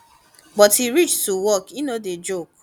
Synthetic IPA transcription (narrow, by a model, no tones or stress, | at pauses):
bɔtiɾit͡ʃtuwɔkinõded͡ʒok